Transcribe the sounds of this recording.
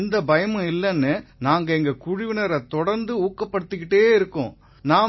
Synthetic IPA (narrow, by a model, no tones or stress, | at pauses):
nd̪ɐbɐjɐmɐ̃ɪlːɛnːɯnaːŋɡɐɛŋɡɐkʊɻɪʋɪnɐɾɐt̪ɔɽɐɾnd̪ɯuːkːɐpːɐɽɯt̪ːɯkːɪʈːeːɪɾɯkːʊ̰̃ː | naː